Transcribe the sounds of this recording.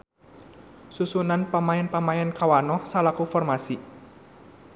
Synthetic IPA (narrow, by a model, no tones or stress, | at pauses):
susunanpamaɛnpamaɛnkawanɔhsalakufɔrmasi